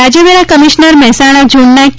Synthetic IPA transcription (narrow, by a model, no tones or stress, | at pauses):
ad͡ʒəʋeɾakəmiʃnəɾmɛɦsaɽ̃ad͡ʒuɳːak